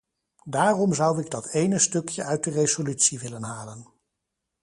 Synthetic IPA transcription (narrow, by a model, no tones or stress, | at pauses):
daːrɔmzʌwɪɡdɑtʰejnəstɵkjəʔœɥt̚dərezolytsiʋɪlənɦaːlən